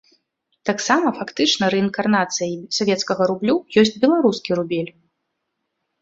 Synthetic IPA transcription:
t̪aksamɐfakt̪ɨt͡ʂnɐɾɛinkarnat̪sɨjisavʲɛt̪skɐɣɐɾublʲujɔsʲt͡sʲbʲɛlˠaɾuskʲiɾubʲɛlʲ

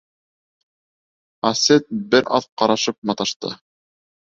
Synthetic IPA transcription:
ɑset̪̚bɘɾʔɑðqɑɾɑʃɤp̚mɑt̪ɑʃt̪ɤ̰

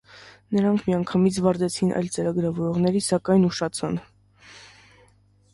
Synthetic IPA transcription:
nəɾɑŋkʰmiɑŋkʰɑmit͡sʰvɑɾd̪ɛt͡sʰinʔɑ̰jlt͡səɾɑɡəɾɑvɔɾɔʁnɛɾisɑkɑjnuʃɑt͡sʰɑn

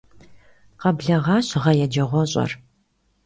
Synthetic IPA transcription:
qɐbɮɐʁɑːɕʁɐjɛd͡ʒɐʁʷɔɕʼɐ̰r

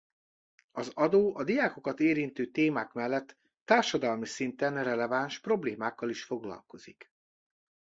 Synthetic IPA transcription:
ɒzɒd̪oːʔɒd̪ijaːko̞kɒt̪eːɾint̪øːt̪eːmaːkmɛlːɛt̪ː | aːrʃɒd̪ɒlmisint̪ɛnrɛlɛvaːnʃpro̞bleːmaːkːɒliʃfo̞ɡlɒ̰lko̞zḭk

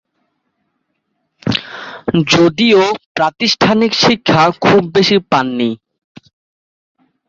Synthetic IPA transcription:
d͡ʑod̪iopɾat̪iʃʈʰanikʃikʰːakʰubːeʃipanːi

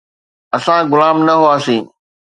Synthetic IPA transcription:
ɐsãɡʊlaːmnɐɦʊaːsĩː

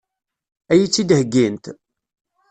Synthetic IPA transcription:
æjit͡sːid̪həɡːint̪

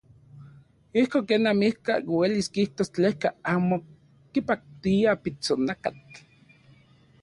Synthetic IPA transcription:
ihkoŋkeːnamihka̰weliskiht̪ost͡ɬehkaaːmo | kipak̚t̪iapit͡sonakat͡ɬ

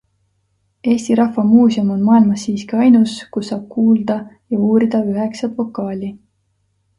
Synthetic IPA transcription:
e̞ːsʲt̪iɾɑhvɑmuːsjomo̞nmɑːilmɑsːiːskiɑjnuskusːɑːb̥̚kuːld̪̥ɑjɑuːɾid̪̥ɑyɦe̞ksɑt̪vo̞kˑːɑːlʲi

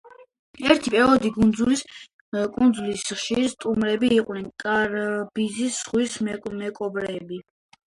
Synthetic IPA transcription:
ɛɾt̪ʰipʼɛɔd̪iɡund̪zulis | kʼund̪zulisχʃiɾst̪ʼumɾɛbiːqʼnɛnkʼaɾb̥izisːʁwismɛkʼɔbɾɛbi

